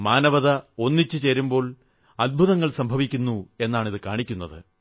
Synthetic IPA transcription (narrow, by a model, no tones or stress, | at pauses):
maːnɐʋɐðɐo̞nːit͡ɕːɨt͡ɕe̞ːɾumbo̞ːɭ | ɐd̪̚bʱuðɐŋːɐɭsɐmbʱɐʋikʲːunːue̞nːaːɳiðɨkaːɳikʲːunːɐðɨ̰